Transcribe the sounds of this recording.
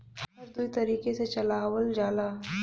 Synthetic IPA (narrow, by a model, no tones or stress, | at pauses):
əɾd̪ujt̪əɾiːkeset͡ɕəlaʋəld͡zala